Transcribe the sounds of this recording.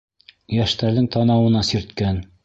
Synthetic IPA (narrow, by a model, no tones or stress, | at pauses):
jæʃt̪æɾðɘŋt̪ɑnɑwɤ̆nɑsĭɾt̪kæn